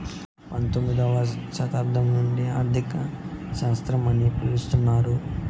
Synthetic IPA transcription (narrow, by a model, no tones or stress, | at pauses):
pɐnt̪omːid̪ɐʋɐʃɐt̪aːɾd̪ʱɐmnuɳɖiaːɾd̪ʱikɐsɐʋɐst̪ɾɐmɐnipulust̪unːaːɾu